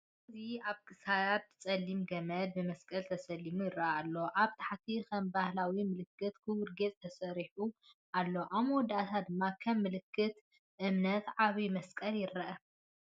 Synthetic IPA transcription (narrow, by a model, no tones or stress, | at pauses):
ɨziaβkʼɨsajat̪̚t͡sʼɐlːimɡɐmɐd̪̚bɨmɐskʼɐlt̪ʰɐsɐlːimujɪrːɐalːo̞ʔaβt̪ʰḁħt̪ʰikʰɐmbahlawimɨlɨkːɨt̪kʰɨwʊɾɡet͡sʼt̪ʰɐsɐɾiħuʔalːo̞ʔamwɔd̪at̪ʰad̪ɨmːakʰɐmːɨlɨkʰːɨt̪ | ʔɨmnɐt̪ʕaβimɐskʼɐljɪrːɐʔɐ